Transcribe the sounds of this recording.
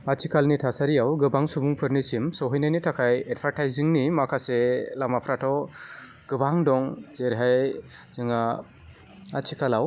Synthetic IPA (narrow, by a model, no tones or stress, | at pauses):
at͡ʃʰikalnitʰasaɾijawɡɯbaŋsubuŋpʰɯɾnisimsɔɦɔjnajnitʰakʰajed̚pʰaɾʈʰajziŋnimakʰaselamapʰɾatʰɔ | ɡ̥ɯbaŋdɔŋzeɾɦajzɯŋa | at͡ʃʰikalaw